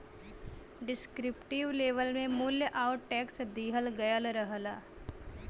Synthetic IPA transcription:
ɖɪskɾɪpʈɪʋleːʋəlmẽmʊljəʔaːʊʈʈɛːksd̪iːɦəlɡɐjəlɾəɦəlaː

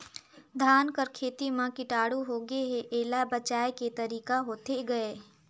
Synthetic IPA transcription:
d̪ʱaːnkəɾkʰeːt̪imãkɪʈaːɽuɦoːɡeɦeʔeːlabɐt͡ʃaːeket̪ɐɾiːkaɦoːt̪eɡɐeː

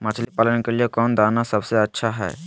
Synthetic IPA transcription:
mət͡ʃʰlipaːlənkelijekɔːnd̪aːnasəbseətːʃʰaɦɛ̰ː

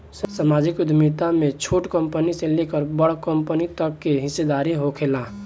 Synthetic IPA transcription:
ssamaːd͡ʒɪkʊd̪ʱmit̪amẽt͡ʃʰoːʈkəmpənisẽlekəɾbəɽ̤kəmpənit̪əkːeɦɪsːed̪aːɾiɦokʰeːlaː

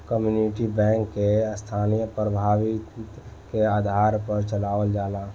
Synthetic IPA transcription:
kəmjuniʈibɛ̃ŋkːest̪ʰanijəpɾəbʱaːʋit̪ | keaːd̪ʱaɾpəɾt͡ʃəlaːʋəld͡ʒaːla

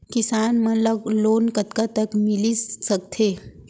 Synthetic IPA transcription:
kisaːnmənləɡloːnkət̪kat̪əkmilisəkt̪ʰe

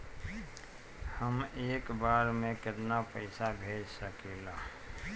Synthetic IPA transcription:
həmeːkbaːɾmẽkɪt̪napəɪsabʱeːd͡ʒsəkeːlaː

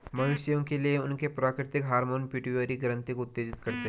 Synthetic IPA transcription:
mɐnʊʃjõkelieʊnkepɾaːkɾɪt̪ɪkɦaːɾmoːnpɪʈuəɾiɡɾə̃nt̪ikoʊt̪ːeːd͡ʒɪt̪kɐɾt̪eɦ

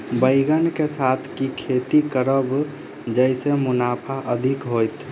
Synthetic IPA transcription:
bəɪɡənkesat̪ʰkikʰeːt̪ikəɾəb | d͡ʒəɪsemʊnaːpʰaʔəd̪ʱɪkɦoːjt̪ʰ

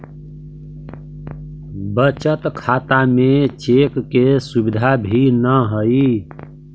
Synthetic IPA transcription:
bət͡ʃət̪kʰaːt̪amẽt͡ʃekːesubid̪ʱabʱinəɦəi

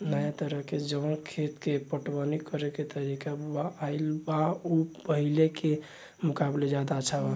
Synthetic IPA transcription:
nəjat̪əɾəɦked͡ʒə̃kʰet̪kepəʈbənikəɾeket̪əɾikabaːilbaupəɦileke | mukabled͡ʒad̪at͡ʃʰaa

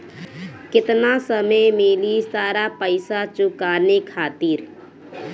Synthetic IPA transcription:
kɪt̪nasəməjmeːlisaːɾapəɪsat͡ʃʊkaːnekʰaːt̪iːɾ

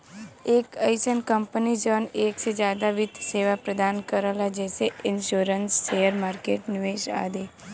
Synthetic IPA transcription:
eːkəjsənkəmpənid͡ʒəneːksed͡ʒaːd̪aʋɪd̪ʱseːʋapɾəd̪ankəɾalad͡ʒɛseʔɪnʃuɾənsːejəɾmaːɾkeʈnɪʋeʃa̰d̪e

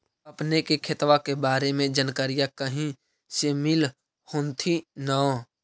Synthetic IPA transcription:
əpnekekʰet̪wakebaːɾemẽd͡ʒənkəɾijakəɦĩ | semɪl | hoːnt̪ʰinaõ

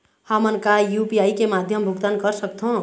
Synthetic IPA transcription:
hamənkajupiaikemad̪ʱjəmbʱuɡt̪ankəɾsəkt̪ʰõ

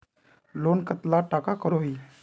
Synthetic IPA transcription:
lonkət̪laʈakakəɾoi

